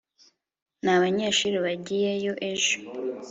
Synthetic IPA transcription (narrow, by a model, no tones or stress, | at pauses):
naβaɲe̞ːʃuɾiβaɟije̞jo̞ʔe̞ʒo